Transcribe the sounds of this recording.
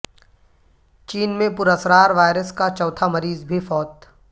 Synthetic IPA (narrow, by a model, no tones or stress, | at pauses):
t͡ʃiːnmẽpʊɾəsɾaːɾʋaːɪɾəskat͡ʃɔːt̪ʰamɐɾiːzbʱifɔːt̪